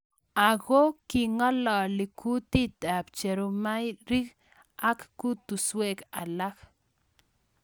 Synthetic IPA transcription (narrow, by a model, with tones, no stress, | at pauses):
a˨ɣo˦ki˨ŋa˦lɔ˨li˨kʰu˦t̪i˦t̪a˨p̚t͡ʃe˨ɾu˧ma˦jɾi˦k | a˦kku˦t̪u˨swe˦˨ka̰˨la˦k